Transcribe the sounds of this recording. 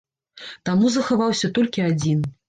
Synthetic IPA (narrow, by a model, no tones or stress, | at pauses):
t̪amuzɐxavawsʲɐt̪ɔlʲkʲiad͡zʲin